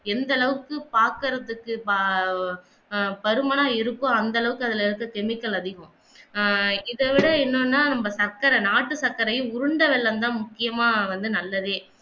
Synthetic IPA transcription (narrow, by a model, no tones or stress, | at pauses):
ɛnd̪ɐlɐʋɯkːɯpaːɾkɯɾɐðɯkːɯp | pɐɾɯmɐnaːɪɾɯkːʊ̃ɐnd̪ɐlɐʋɯkːɯɐðɪlɪɾɯkːɐkɛmɪkːɐlɐðɪɣʊ̃ | ɪðɐʋɪɽɐɛnːonːaːnɐmbɐsɐɾkaːɾɐnaːʈːɯsɐkːɐɾɐjɯ̃ʊɾɯɳɖɐʋɛɭːɐnd̪ãːmʊkːɪjɐmãːʋɐnd̪ɯnɐlːɐðeː